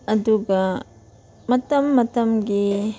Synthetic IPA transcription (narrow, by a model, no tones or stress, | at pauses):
ɐd̪uɡɐ | mɐt̪ɐmːɐt̪ɐmɡi